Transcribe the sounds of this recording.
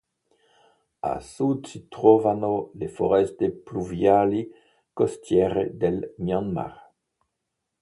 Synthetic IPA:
a̰sud̪sit̪ʁovanolefoʁɛst̪epluvjali | kost̪jɛʁḛd̪elmjɔnma̰ʁ

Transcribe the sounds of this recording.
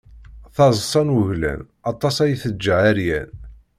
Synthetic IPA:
θɑzˤsˤɑnwəʝlæ̰n | ɑt̪ˤːɑsæjiθəd͡ʒːəʕæɾjæn

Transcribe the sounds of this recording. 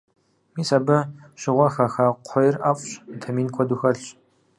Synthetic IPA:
miːsɐbɐɕɪʁʷɔxɐxɐqʷʰɔjrafʼɕtʰɐmiːnkʷʰɔduːxɐrɬ

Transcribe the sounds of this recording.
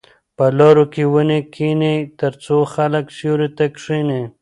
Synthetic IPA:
pəlɑɾokewənekʰinet̪əɾt͡soxaləksoɾet̪akʂine

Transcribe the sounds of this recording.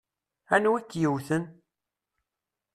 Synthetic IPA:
ænwækːjiwθən

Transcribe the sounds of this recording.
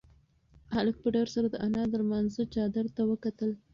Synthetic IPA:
halək̚pəɖaɾsaɾad̪əʔanɑd̪əɾmanzət͡ʃɑd̪əɾt̪awəkat̪əl

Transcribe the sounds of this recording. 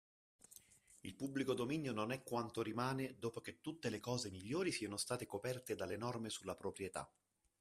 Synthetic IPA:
ilpubːlikod̪ominjononɛkːwant̪oɾimaːned̪oːpok̟et̪ːut̪ːelekɔːzemiʎːoːɾisiːanost̪aːt̪ekopɛrt̪ed̪alːenɔrmesulːapɾopɾjet̪a̰

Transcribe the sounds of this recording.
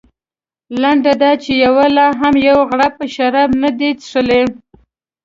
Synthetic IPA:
laɳɖad̪ɑt͡ʃejawalɑɦamjawɣɽapəʃaɾabnad̪et͡sʂəle

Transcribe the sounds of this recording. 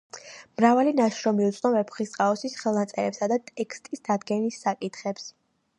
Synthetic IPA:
mɾavalinaʃɾɔmiut̪sʼnɔvɛpʰχisqʼaɔsisχɛlˠnat̪sʼɛɾɛpsad̪at̪ʼɛkʰst̪ʼisd̪ad̪ɡɛnisːakʼit̪ʰχɛps

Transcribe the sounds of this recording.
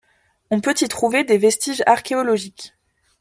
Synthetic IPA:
ɔ̃pøt̪it̪χuved̪evɛst̪iʒaʁkʲeɔlɔʒik

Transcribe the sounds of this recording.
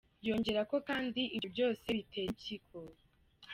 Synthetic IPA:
ɾjo̞ːɲɟe̞ɾako̞kaːndiʔiubɟo̞ːse̞βitʰe̞cikʰo

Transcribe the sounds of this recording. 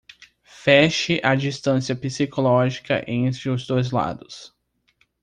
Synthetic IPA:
fɛʃɪʔɐd͡ʒist̪ɐ̃siɐpisikolɔʒikɐ̰ʔẽt̪ɾɪʊzd̪ojzla̰d̪ʊs

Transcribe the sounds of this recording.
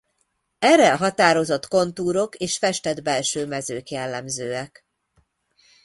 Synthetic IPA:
ɛrːɛɒɦɒt̪aːɾo̞zo̞t̪ko̞nt̪uːɾo̞keːʃfɛʃt̪ɛd̪bɛlʃøːmɛzøːkjɛlːɛmzøːɛk

